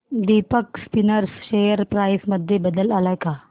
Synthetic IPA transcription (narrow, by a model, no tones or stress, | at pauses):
d̪ipəkspinəɾsɕejəɾpɾajsməd̪ʱːjebəd̪əlalajka